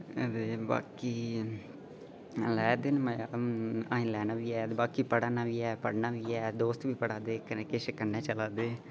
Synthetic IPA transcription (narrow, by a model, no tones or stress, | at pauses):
d̪eːba̰ːkiː | lɛːd̪ɪːnməjaaːĩlɛːnaːʋiːɛːd̪baːkiːpəɽaːnaːʋiːɛːpəɽnaːʋiːɛːd̪oːst̪ʋiːpəɽaːd̪eːkəneːkeːʃəkənːɛ̃ːt͡ʃəlaːd̪eː